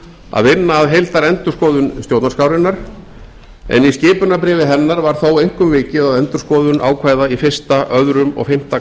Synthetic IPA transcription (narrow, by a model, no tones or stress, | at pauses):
a̰ðvɪnːaːðɦejlt̪aɾɛnt̪ʏ̥skɔːðʏnst̪jowt̪naskaːwɾɪnːaɾ̥ | ɛ̰niscɪːpʏnap̬ɾɪːvɪɦɛnːaɾvaɾ̥θowejŋ̥kʏmvɪːcɪðaðɛnt̪ʏ̥skɔːðʏnʔa̰ːwkʰvaːjðaifɪr̥st̪aʔœðɾʏmɔ̰ɣfɪm̥t̪a